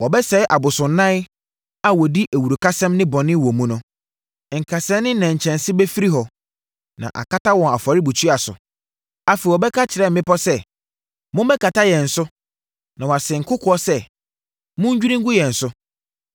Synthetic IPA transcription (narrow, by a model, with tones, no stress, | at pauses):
wɔ˨bɛ˦sɛ˨˦ʔa˨bʊ˨sʊ̃˨n̩˦nːã˦ | a˦wɔ˨di˦ʔæ˨wu˨ɾu˨kʰa˦sɛ̃˦mnɪ̃˦bɔ̃˨nɪ̃˦wɔ̃˨mũ˦nʊ̃˦˨ | ŋ̩˨kʰa˨sɛ̃˦nɪ̃˦nã˨ɲ̩˨t͡ɕʰɛ̃˨n˨sɪ˦bɛ˦fi˦ɾi˦ɦɔ˨ | nã̰˨ʔa̰˨kʰa˦ta˦wɔ̃˨na˨fa˨ɾɪ˦bu˨t͡ɕʰu˦a˨sʊ̰˨ | a˦fi˨wɔ˨bɛ˦kʰa˦t͡ɕʰɪ˨ɾɛ˦m̩˨mɪ̃˦pɔ˦sɛ˦ | mʊ̃˦m˦bɛ˦kʰa˨ta˦jɛ̃˨n̩˨sʊ˦ | nã˨wɔ˨a˨sɛ˨ŋ̩˨kʰʊ˦kʰʊ˨˦ɔ˦sɛ˦ | mʊ̃˦ɲ̩˦d͡ʑᶣu˦ɾĩ˦ŋ̩˦ɡʊ˦jɛ̃˨n̩˨sʊ˦